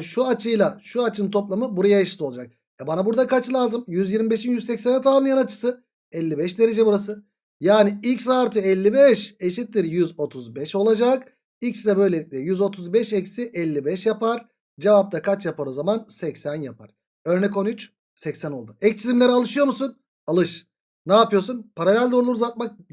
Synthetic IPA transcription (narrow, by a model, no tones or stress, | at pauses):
ʃuat͡ʃʰɯjlˠaʃuat͡ʃʰɯnt̪ʰo̞plˠamɯbuɾajaeʃi̥t̪ʰolˠad͡ʒak̚ | ɛbanabuɾd̪akʰat͡ʃlˠaːzɯmjyzjiɾmibeʃinjyzsɛcsɛnɛt̪ʰaamˠɯjanat͡ʃʰɯ̥sɯ | ɛlʲːibɛʃd̪e̞ɾe̞d͡ʒɛbuɾasɯ | jaːniicsaːɾt̪ʰɯɛlʲːibɛʃeʃit̪lʲiɾjyzo̞t̪ʰuzbɛʃo̞lˠad͡ʒak | icsid̪ɛbø̞jlʲelʲic̚ʲlʲɛjyzo̞t̪ʰuzbɛʃɛcsiʔɛlʲːibɛʃjapaɾ | d͡ʒevap̚t̪ʰakʰat͡ʃjapaɾˠozamansɛcsænjapʰa̰ɾ̥ | ø̞ɾnɛko̞nyt͡ʃ | sɛcsæno̞lˠd̪uɛc̚t͡ʃʰizimlʲeɾialˠɯʃɯjo̞ɾmusun | alˠɯʃ | naːpɯjo̞ɾsunpʰaɾalʲælʲd̪o̞ɾlˠuɾuzat̪̚mak̚